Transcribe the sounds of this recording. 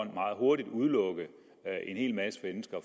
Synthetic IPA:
n̰mɑ̈ːð̩ˠɦo̝ɐdid̥uð̞ˠlɔ̽ɡ̥ə | ʔe̝nhe̝̰ːlmæsə̥fmensɡ̥ɐ

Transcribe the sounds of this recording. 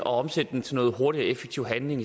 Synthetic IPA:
ɒ̽ɒ̽msed̥əden̩t͡sʰe̝lnɔ̽ːð̞̩ˠɦo̝ɐɾiɐefeɡ̥t͡sʰiʊ̰ɦænle̝ŋi

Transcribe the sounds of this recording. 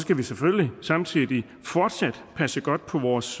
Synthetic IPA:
sɡ̥æʋisefølisɑ̈mt͡sʰiðˠi | fɒːd̥sæd̥pʰæsəɡ̥ɒ̽d̥̚pʰɒ̽ʋɒːs

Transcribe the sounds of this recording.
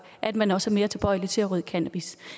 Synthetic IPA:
ʔæd̥mænɒ̽sæme̝ːɐt͡sʰe̝b̥ɒ̽ɪ̰li̥t͡sʰe̝læʁyðˠkʰænæb̥is

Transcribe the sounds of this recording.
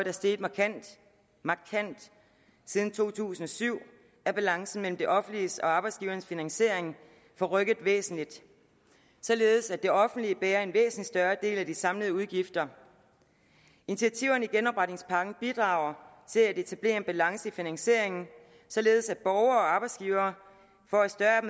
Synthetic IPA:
d̥æɐsd̥e̝ːd̥ˠmɑ̈kʰæn̰d̥ | mɑ̈kʰæn̰d̥ | siːð̞ˠn̩t͡sʰo̝̰ːt͡sʰṵːsn̩ɒ̽syʊ̰ | æɐb̥ælɑ̈ŋsn̩mel̰m̩d̥e̝ʔɒ̽fn̩d̥lisɒ̽ɑ̈ːb̥ɑɪdsɡ̥iːʊɐnəsfinæŋse̝ɐ̰e̝ŋ | fɒ̽ʁœɡ̥əð̩ˠʋḛːsn̩lid̥ | sɒ̽le̝ːð̞ˠsædd̥e̝ɒ̽fn̩d̥lib̥ɛːɐe̝nʋḛːsn̩lid̥sd̥ɶɐd̥e̝̰ːlæd̥isɑ̈mləð̩ˠuð̞ˠɡ̥ifd̥ɐ | init͡sʰiæt͡sʰiʊ̰ɐniɡ̥enɒ̽b̥ʁad̥ne̝ŋspʰɑ̈ɡ̥n̩b̥id̥ʁɑ̰̈ːʊ̰ɐt͡sʰe̝læde̝t͡sʰæb̥le̝̰ːɐe̝nb̥ælɑ̈ŋsəifinæŋse̝ɐ̰e̝ŋn̩ | sɒ̽le̝ːð̞̩ˠsæd̥b̥ɒʊɐːɒ̽ɑ̈ːb̥ɑ̈ɪd̥sɡ̥iːʊɐː | fɒæsd̥ɶɐm

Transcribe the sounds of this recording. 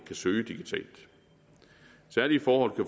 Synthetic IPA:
kʰæsøːəd̥iɡ̥it͡sʰɛ̰ːld̥ | sæɐlifɒːhɒ̽l̰kʰæf

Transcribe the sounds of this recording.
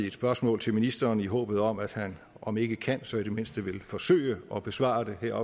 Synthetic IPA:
ed̥sb̥ɶɐsmɔ̰̽ːlt͡sʰe̝lminisd̥ɐːniɦɔ̰̽ːb̥ð̞̩ˠɒ̽mæd̥hæn | ʔɒ̽me̝ɡ̥əkʰæn̰sɒ̽e̝d̥eme̝n̰sd̥əʋe̝lfɒ̽sø̰ɪəɒ̽b̥e̝sʋɑ̰̈ːd̥e̝ɦeɐ̰ɒ̽

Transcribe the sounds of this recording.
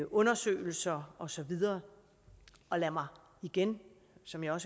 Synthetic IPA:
ʔɔ̽nɐsø̰ːɪl̩sɐɒ̽sɒ̽ʋið̞ˠɐː | ɒ̽læmɑ̈ɪ | iɡ̥en | sɒ̽mjɑ̈ɪɒ̽s

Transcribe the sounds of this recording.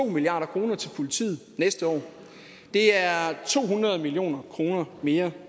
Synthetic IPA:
o̝̰ːmiliɑ̈ːɾ̥ɐkʰʁo̝ːnɐt͡sʰe̝lpʰolit͡sʰḭːð̩ˠnesd̥əɒ̰ː | d̥e̝æɐt͡sʰo̝̰ːɦunʁɐð̞ˠmilio̝̰ːnɐkʰʁo̝ːnɐme̝ːɐ

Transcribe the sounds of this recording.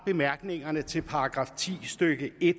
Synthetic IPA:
b̥e̝mæɐɡ̥ne̝ŋɐnət͡sʰe̝lpʰɑ̈ɑɡ̥ʁɑ̈ːft͡sʰḭːsd̥øɡ̥əe̝d̥

